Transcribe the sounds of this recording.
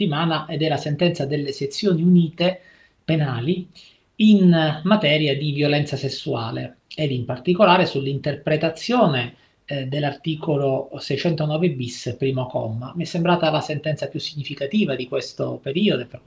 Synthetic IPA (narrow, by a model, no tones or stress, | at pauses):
imaːnaʔed̪ɛlːasent̪ɛnt̪sad̪elːeset̪sːjoːniuniːt̪e | penaːli | inmat̪ɛːɾjad̪ivjolɛnt̪sasesːua̰ːleed̪impart̪ikolaːɾesulːint̪erpɾet̪at̪sːjoːne | d̪elːart̪iːkolosɛjt͡ʃɛnt̪onɔːvebispɾiːmokɔ̰mːa̰miɛsːembɾaːt̪alasent̪ɛnt̪sapjusːiɲːifikat̪iːvad̪ikwest̪opeɾiːod̪ope